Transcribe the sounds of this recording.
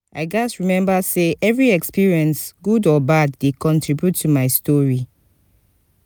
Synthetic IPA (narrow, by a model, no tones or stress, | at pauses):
ʔaɪɡasɹimɛ̃mbəseʔɛvɹiɛkspiɹiɛ̃nsɡudɔbadːekɔ̃ntɹibjutʰːumaɪstɔɹi